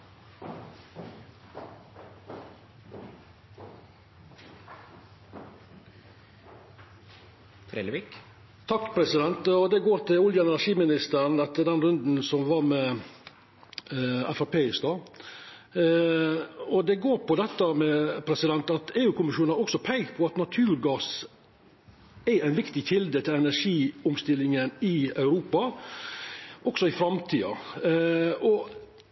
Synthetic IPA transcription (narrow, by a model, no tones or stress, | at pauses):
t̪ʰɾelik | t̪ʰɑkːpʰɾɛsɪd̪ɛnt̪ɔd̪ɛɡoːɾt̪ʰɪʊljənɛnʂiːmɪnɪst̪əɾnɛt̪ːəd̪ɛnɾʉnd̪n̩sɔmʋɑɾmɛ | ɑfɾʊpʰeːɪst̪ɑ | ɔd̪ɛɡoːɾpɔd̪ɛt̪ːəmɛpʰɾɛsɪd̪ɛnt̪ɑt̪eːʉːkʰʊmɪʂuːnhɑɾɔksɔpʰɛɪɡ̪pʰɔɑt̪nɑt̪ʰʉːɾɡɑːs | ɛæɪnʋɪkt̪ɪçɪld̪ət̪ʰɪlɛnæɾʂiːʊmst̪ɪlːɪŋənɪɑʉɾuːpɑ | ʔɔɡ̥sɔɪfɾɑmt̪ʰiːɑ̰ | ɔ